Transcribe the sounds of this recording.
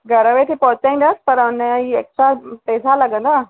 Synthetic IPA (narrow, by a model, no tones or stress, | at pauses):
ɡʱɐɾəʋet̪ʰipɐɦʊt͡ɕaĩːn̆d̪əsɪ̥pɐɾʊnieːktɾapɛːsalɐɠə̃nd̪aː